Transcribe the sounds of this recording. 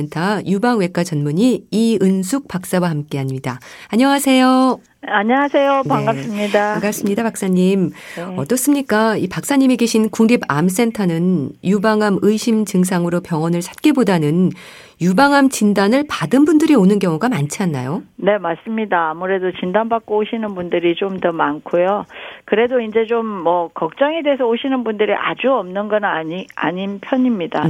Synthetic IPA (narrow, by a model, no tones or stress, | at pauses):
entʰajubaŋwe̞k͈at͡ɕʌnmuɲiːɯnsʰuk̚p͈ak̚s͈awahamk͈e̞aɲidaaɲʌŋasʰe̞jo | aɲʌŋasʰe̞jopaŋɡas͈ɯmɲidaaŋɡas͈ɯmɲidapak̚s͈aɲimʌt͈ʌs͈ɯmɲik͈aipak̚s͈aɲimeɡeɕʰinkuŋɡiba̰ms͈e̞ntʰanɯnjubaŋɦamɯiɕʰimt͡ɕɯŋs̬ʰaŋɯɾopjʌŋʌnɯɭsʰḁt̚k͈ebodanɯn | jubaŋɦamt͡ɕindanɯɭpadɯnbundɯɾionɯnkjʌŋuɡamant͡ɕʰanːa̰jone̞maɭs͈ɯmɲidaːmuɾe̞dot͡ɕindanbak͈̚ooɕʰinɯnbundɯɾit͡ɕomtʌmankʰojokɯɾe̞doind͡ʑe̞t͡ɕomːʌkʌk̚t͡ɕ͈ʌŋedeesʰʌoɕʰinɯnbundɯɾiʔa̰d͡ʑuʌmnɯnɡʌnaia̰ɲinpʰjʌɲimɲida